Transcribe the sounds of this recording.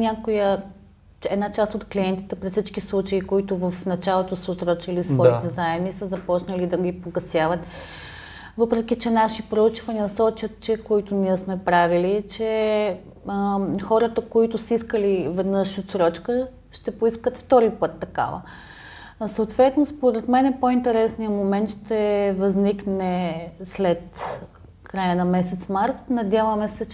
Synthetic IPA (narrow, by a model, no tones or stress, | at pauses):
nʲakʊjə | ɛd̪nat͡ʃast̪ot̪kliɛnt̪i̥t̪ɛpɾisit͡ʃkislˠut͡ʃəikoit̪ʊvəfnɐt͡ʃalˠot̪osəosɾɔt͡ʃilisvɔit̪ɛzaɛmisəzɐpɔt͡ʃnəlid̪ɐɡʲipoɡɐsjavət̪ | vɤpɾɛk̟it͡ʃɛnaʃipɾout͡ʃvɐnʲiəsɔt͡ʃət̪̚t͡ʃɛkoit̪ʊniɛsmɛpɾavilit͡ʃɛ | xɔɾət̪əkoit̪ʊsəiskəlivɛd̪nɤʃot̪sɾɔt͡ʃkə | ʃt̪ɛpoiskət̪ft̪ɔɾipɤt̪ːɐka̰və̰ | səot̪vɛt̪nospoɾɛt̪mɛnɛpoint̪ɛɾɛsnijəmomɛnt̪ʃt̪ɛvɐzniknɛslɛt̪ | kɾajənɐmɛsɛt̪smaɾt̪nɐd̪ʲjavəmɛsɛ